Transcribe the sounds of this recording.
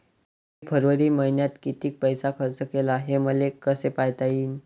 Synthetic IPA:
ɦepʰəɾʋəɾiːməɦinjat̪kit̪iːk̚pəjsakʰəɾt͡səkelaɦeməlekəsepajt̪aiːn

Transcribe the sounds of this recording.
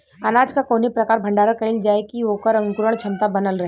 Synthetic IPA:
ɐnaːd͡ʒkakoːnipɾɐkaːɾbʱɐ̃ɳɖaːɾakɐɪld͡ʒaːekiʋokəɾɐ̃ŋɡkuɾəɳ̃t͡ʃʰɐ̃nt̪abɐnəlɾɐɦe

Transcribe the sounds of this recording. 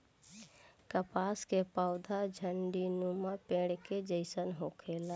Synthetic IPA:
kəpaːskepaʊd̪ʱad͡ʒʱəɳɖinumapẽːɽked͡ʒəɪsənɦoːkʰeːla

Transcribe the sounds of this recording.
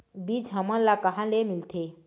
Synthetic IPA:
bid͡ʒɦəmənlakəɦãlemilt̪ʰe

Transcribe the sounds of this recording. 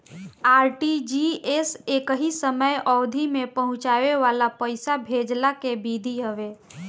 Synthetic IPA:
aːɾʈid͡ʒiesekɦisəməjɔd̪ʱimepəɦʊ̃t͡ʃaʋeʋalapəɪsabʱed͡ʒlakebid̪ʱiɦəʋe

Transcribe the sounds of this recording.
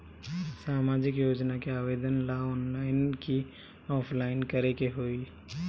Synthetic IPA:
saːmaːd͡ʒɪkjoːd͡ʒnakeaːʋeːd̪ənlaɔːnlaːɪnki | ɔːpʰlaːɪnkəɾekeɦoːi

